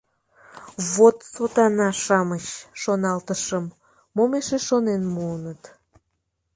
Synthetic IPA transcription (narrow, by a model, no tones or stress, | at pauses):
βot̪sot̪ɑnɑʃɑməɕʃonɑlt̪əʃəmː | omeʃeʃonenmuənət̪